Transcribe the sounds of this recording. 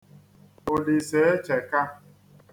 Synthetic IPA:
o˨li˨se˨e˦t͡ʃe˨ka˦

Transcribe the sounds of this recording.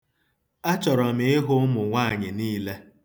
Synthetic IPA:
a˦t͡ʃɔ˨ɾɔ˨m̩ɪ˨ɪ˦ɦʊ˦mʊ˨ŋʷa˦˨ɲɪ˨niː˦le˦

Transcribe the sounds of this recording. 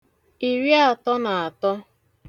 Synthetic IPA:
i˨ɾja˨tɔ˦na˨a˨tɔ˦

